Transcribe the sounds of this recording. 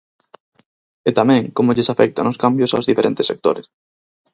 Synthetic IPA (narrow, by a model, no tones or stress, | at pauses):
et̪amɛ̃ŋkomoʎesafɛk̚t̪anʊskambjosawzðifeɾent̪esːek̚t̪o̰ɾɪs